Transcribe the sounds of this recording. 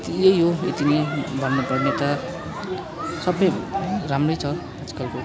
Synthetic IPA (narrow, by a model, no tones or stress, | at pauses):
t̪ijeɦoḭt̪inebʱʌnːupʌrnet̪ʌ | sʌbʌjɾamrojt͡sʰʌ | bʌt͡si̥kʌlko